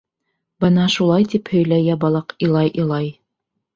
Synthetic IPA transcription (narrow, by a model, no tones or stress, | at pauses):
bɤnɑʃulˠɑjt̪iphɵ̆jlæjæbɑlˠɑqĭlˠɑjʔɤ̆lˠɑj